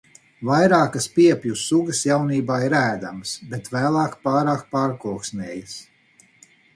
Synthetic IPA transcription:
vajɾaːkaspiɛpʲjusuɡəsjawniːbaːiɾæːd̪amsbet̪væːlˠɑːkpaːɾaːk̚paːɾkuɔksnʲɛːjəs

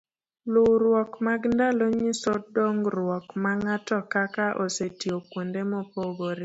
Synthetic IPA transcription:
lʊɾwɔkmaɡndaloɲisɔdoŋɡrwɔkmaŋatɔkakaʔosetiokwondemɔpoɡoɾe

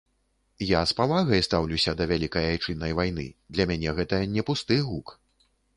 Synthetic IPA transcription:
jaspavaɣɐjst̪awlʲuwsʲɐd̪ɐvʲalʲikɐjajt͡ʂɨnːɐjvajn̪ɨ̰d̪lʲɐmʲanʲɛɣɛt̪ɐnʲɛpust̪ɨjɣuk

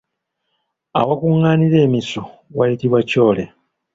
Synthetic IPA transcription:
a̰wakuŋːaːniɾe̞ːmisowajitiβwaco̞ːle

